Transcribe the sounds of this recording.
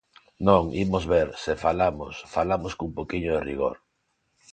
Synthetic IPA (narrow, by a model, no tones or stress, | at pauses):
nõŋḭmozβeɾsɪfalamo̰sfalamoskuŋpokiɲʊðɪriɣ̞o̰ɾ